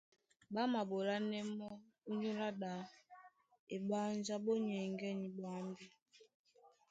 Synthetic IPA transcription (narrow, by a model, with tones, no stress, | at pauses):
ba˦ma˨bo˨la˦nɛ˦mɔ˦ | u˦ɲu˦la˦ɗa˨ | e˨ɓa˦n˦d͡ʒa˦ɓo˦ɲɛ˨ŋɡɛ˦ni˨ba˨˦mbi˦